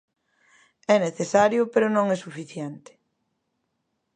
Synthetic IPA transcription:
ɛneθesaɾjʊpeɾʊnõŋɛsufiθjɛnt̪ɪ̥

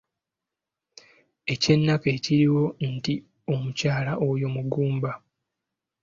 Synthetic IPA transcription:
e̞ce̞nːakeːciɾiwo̞nti | o̞mucaːlaʔojo̞muɡuːmba

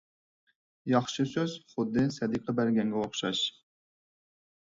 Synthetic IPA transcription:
jɑχʃɨsøz̥χʊd̪ːɨsɛd̪ɨk̚ʲqʰɑbæɾɡʲɛŋɡʲɛoχʃɑ̰ʃ

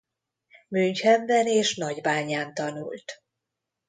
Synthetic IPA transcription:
myɲchɛɱvɛneːʃnɒɟbaːɲaːnt̪ɒnṵlt̪

